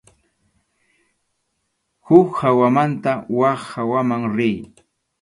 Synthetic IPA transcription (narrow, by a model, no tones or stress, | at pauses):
hʊkhawamant̪awaχhawamaŋɾɪj